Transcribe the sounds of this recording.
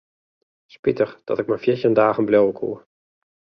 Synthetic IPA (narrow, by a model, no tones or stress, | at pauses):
spɪtəχd̥ɑ̰tɪk̚mɛnfjɛçəəndaːχənblɛwəkʰṵː